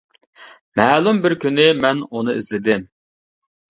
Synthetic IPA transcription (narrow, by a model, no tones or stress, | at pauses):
mɛːlˠumbɪɾkʲʰynɪmɛnunɨizlɪd̪ɪm